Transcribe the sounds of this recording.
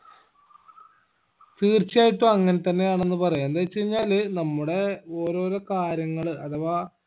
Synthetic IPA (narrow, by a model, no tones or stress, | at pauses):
t̪iːrt͡ɕːijaːjiʈːuɐŋːɐnet̪ɐnːe̞jaːɳe̞nːɨpɐrɐjɐnd̪et͡ɕːejiɲːaːlnɐmːuɽe̞o̞ːɾo̞ːɾokaːɾjɐŋːɐɭɨɐt̪ɐʋaː